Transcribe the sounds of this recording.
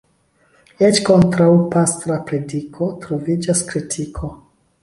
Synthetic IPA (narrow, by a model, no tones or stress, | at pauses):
et͡ʃko̞ntɾawpastɾapɾe̞dikʰo̞tɾo̞vid͡ʒaskɾitʰikʰo̞